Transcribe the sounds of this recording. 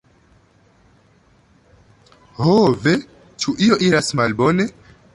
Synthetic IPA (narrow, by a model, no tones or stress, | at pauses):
hove | t͡ʃuʔio̞ʔiɾasmalbo̞ne̞